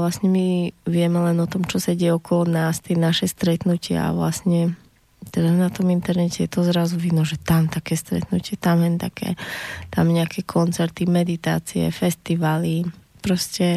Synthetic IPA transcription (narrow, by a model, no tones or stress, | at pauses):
lasɲɛmiʋɪɛmɛlɛnɔt̪ɔmt͡ʃɔsaɟɛjɛɔkɔlɔnaːst̪ɪɛnaʃɛst̪ɾɛt̪nucɪa̰a̰ʋla̰sɲɛ | t̪ɛd̪anat̪ɔmint̪ɛɾnɛcɛjɛt̪ɔzɾazuʋinɔʒɛt̪amt̪akɛːst̪ɾɛ̰t̪nucɪɛt̪amɦɛnt̪akʰɛ̰ːt̪amɲɛakʰɛkʰɔnt͡sɛɾt̪imɛd̪it̪a̰ːt͡siɛ̰fɛst̪iʋaːlipɾɔscɛ